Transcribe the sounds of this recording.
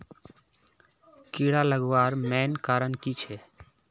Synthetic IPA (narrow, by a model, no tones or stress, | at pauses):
kiɽaləɡʋaːɾmɛːnkaːɾənkit͡ʃʰɛ